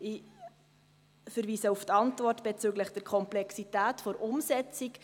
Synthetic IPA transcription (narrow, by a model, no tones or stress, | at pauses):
ɪ | fəɾviːsəuft̪ɑntvɔrtb̥et͡syːɡləχd̥ɛɾkʰɔmplɛksitæːtfoɾʔʊmsɛt͡sik